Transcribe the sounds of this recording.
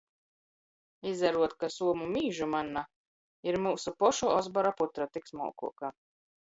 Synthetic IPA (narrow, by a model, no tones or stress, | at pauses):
izaɾuɔt̪kasuɔmumiːʒumanːa | iɾmuːsupɔʃuɔzbɔɾaput̪ɾat̪iksmɔ̰ːkṵɔka